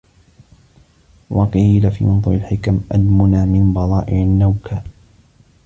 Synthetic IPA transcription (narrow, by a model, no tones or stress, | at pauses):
wʔɑqiːlafḭmʊnðˤʊʕɪlħɪkamʔalmʊnaːmɪnbɑðˤɑːʔɪʕanːawkʰaː